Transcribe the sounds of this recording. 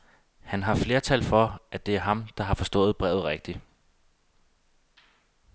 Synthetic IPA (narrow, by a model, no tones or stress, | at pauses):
hænɦɑ̈fle̝ːɐt͡sʰælfɒ̽ʔæd̥e̝æɐɦɑ̈md̥ɑ̈ɦɑ̈fɒ̽sd̥ɔ̰̽ːð̩ˠb̥ʁɛ̰ʊð̩ˠʁeɡ̥̚d̥i